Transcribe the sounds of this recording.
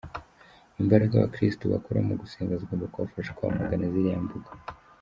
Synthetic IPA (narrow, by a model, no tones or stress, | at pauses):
imbaɾakawa̰kɾistuβa̰koɾa̰muɡuseːŋɡazɡombakaβafaʃḁkuβa̰maɡanaziɾijambuɡa